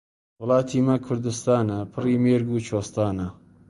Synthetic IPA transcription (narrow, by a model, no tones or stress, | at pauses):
wʊlˠɑːt̪ʰiːmɐkʰʊɾd̪ɨst̪aːnɐpʰɨriːmeːɾɡuːt͡ʃʰoːst̪aːnɐ